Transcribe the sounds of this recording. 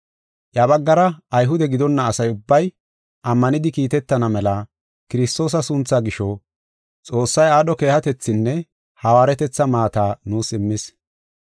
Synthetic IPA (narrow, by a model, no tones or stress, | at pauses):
ʔjɐbɐɡːɐɾɐːjɦʊd̪ɛɡɪd̪ɔnːɐːsɐjʊbːɐj | ɐmːɐnɪd̪ɪkiːt̪ɛt̪ːɐnɐmɛlɐ | kɪɾɪst̪o̞ːs̬ɐsʊnt͡sːaɡɪʃɔ | t͡sʼo̞ːsːɐjaːɗɔke̞ːhɐt̪ɛt͡sːɪnːɛ | hɐwaːɾɛt̪ɛt͡sːɐmaːt̪aːnuːsɪmːɪs